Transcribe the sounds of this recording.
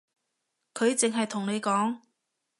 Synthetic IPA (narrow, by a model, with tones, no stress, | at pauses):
kʰɵ˨˧ɥt͡sɪ˨ŋɦɐ˨jt̪ʰʊ˨˩ŋne˨˧jkɔː˨˥ŋ